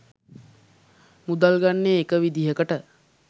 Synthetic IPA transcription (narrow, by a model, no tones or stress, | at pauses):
mud̪alɡanːeːkəʋid̪iɦəkəʈə